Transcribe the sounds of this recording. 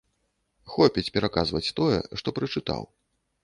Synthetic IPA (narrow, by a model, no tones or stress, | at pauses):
xɔpʲit͡sʲpʲɛɾakazvɐt͡sʲt̪ɔjɛ̰ʂt̪ɔpɾɨt͡ʂɨt̪a̰w